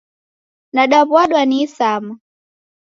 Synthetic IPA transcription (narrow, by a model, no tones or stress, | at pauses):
naɗapwaɗwanisama